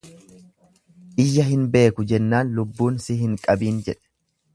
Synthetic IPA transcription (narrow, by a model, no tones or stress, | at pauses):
ʔɪjːɐɦɪnbe̞ːkʊd͡ʒɛnːaːnlʊbːuːnsɪhɪŋkʼɐbiːnd͡ʒɛᶑɛ̥